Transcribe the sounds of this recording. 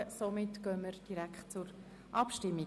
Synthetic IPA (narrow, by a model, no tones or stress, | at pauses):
əsomɪtɡ̥œːməɾd̥iɾækχtt͡sʊɾ | ʔɑpʃtɪmːi